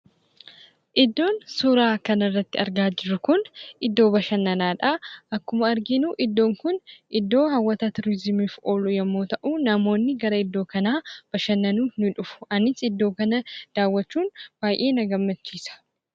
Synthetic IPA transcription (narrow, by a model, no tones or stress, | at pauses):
ʔɪd̪ːo̞ːnsuːɾaːkɐnɐrːɐt̪ːɪɐɾɡaːd͡ʒɪɾʊkʊnʔɪd̪ːo̞ːbɐʃɐnːɐnaːᶑaʔɐkːʊmɐɐɾɡɪnuːʔɪd̪ːo̞ːŋkʊnʔɪd̪ːo̞ːhɐwːɐt̪ɐt̪ʊɾɪzɪmiːfoːlʊjɛmːo̞ːt̪ɐʔuːnɐmo̞ːnːɪɡɐɾɐɪd̪ːo̞ːkɐnaːb̥ɐʃɐnːɐnuːnʊᶑʊfʊ̥ʔɐnɪsɪd̪ːo̞ːkɐnɐd̪̥aːwːɐt͡ʃːuːnb̥aːjʔeːnɐɡɐmːɐt͡ʃːiːsɐ̥